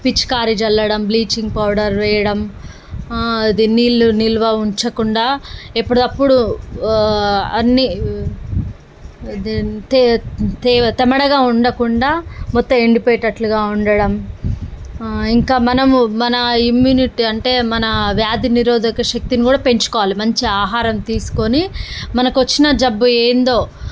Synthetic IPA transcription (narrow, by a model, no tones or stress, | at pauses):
pit͡ʃːkaːɾid͡ʒɐlːɐɽɐmbliːt͡ʃiŋɡ̚pɐwɽɐɾʋɛːjɐɽɐm | ɐd̪inːilːunilʋɐuɲt͡ʃɐkuɳɖaːepːuɽɐɐpːuɽu | ɐnːi | t̪t̪t̪ɛmɐɽɐɡaːuɳɖɐkuɳɖaːmɔt̪ːɐmeɳɖipeːʈɐʈluɡaːuɳɖɐɽɐm | iŋkaːmɐnɐmumɐnɐimjuːniʈiɐɳʈe̞ːmɐnɐʋjaːd̪iniɾoːd̪ɐkɐʃɐk̚t̪inikuːɽaːpe̞ɲt͡ʃu̥kɔːʋaːlimɐɲt͡ʃiaːɦaːɾɐmt̪iːsu̥ko̞nimɐnɐkʋɐt͡ʃːinɐd͡ʒɐbːueːnd̪o̞ː